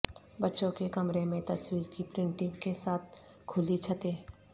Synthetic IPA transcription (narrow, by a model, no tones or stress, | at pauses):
bɐtːʃõkekɐmɾemẽt̪ɐswiːɾkipɾɪ̃ɳʈɪ̃ŋkesaːt̪̚ʰ | kʰʊlit͡ʃʰɐt̪eː